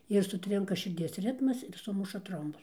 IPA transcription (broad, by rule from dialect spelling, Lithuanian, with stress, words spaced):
ɪr sʊˈtʲrʲɪŋkɐ ʃʲɪrʲˈdʲiɛs ˈrʲɪtmɐs ɪr ˈsʊmʊʃɐ ˈtroːmbʊs